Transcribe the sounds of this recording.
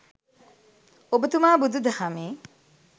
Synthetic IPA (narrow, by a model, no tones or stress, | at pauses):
obət̪umaːbud̪ud̪ɐhameː